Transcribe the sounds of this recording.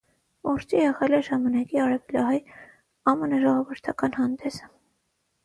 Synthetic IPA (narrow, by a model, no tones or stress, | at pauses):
ɔɾt͡ʃijɛʁɛlɛʒɑmɑnɑkiɑɾɛvɛljɑɦɑj | ɑmənɑʒɔʁɔvəɾt̪ʰɑkɑnhɑnd̪ɛsə̥